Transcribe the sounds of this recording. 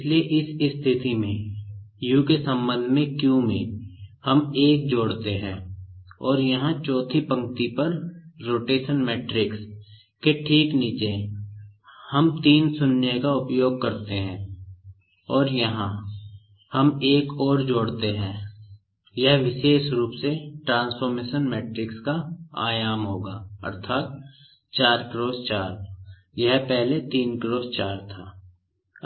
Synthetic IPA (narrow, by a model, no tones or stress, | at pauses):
leʔɪsɪst̪ʰɪt̪imẽjũːkesə̃mbə̃nd̪ʱmẽkjũmĩhɐmeːk̚d͡ʒoːɽt̪eɦɛ̰̃ːɔːɾjɐɦãt͡ʃɔːt̪ʰipə̃ŋk̚t̪ipəɾɾoːʈeːʃənmɛːʈɾɪks | keʈʰiːkniːt͡ʃe | həmt̪iːnsʊnːekaʊpjoːɡ̚kɐɾt̪eɦɛ̃ː | ɔːɾjɐɦã | hɐmeːkɔːɾd͡ʒoːɽt̪eɦɛ̃ː | jɛɦʋɪʃeːʃɾuːpseʈɾãːnsfəɾmeːʃənmɛːʈɾɪkskaa̰ːjaːmɦoːɡaːɐ̰ɾt̪ʰaːt̪̚ | t͡ʃaːɾkɾoːzt͡ʃaːɾ | jɛɦpɛɦlet̪iːnkɾoːzt͡ʃaːɾt̪ʰaː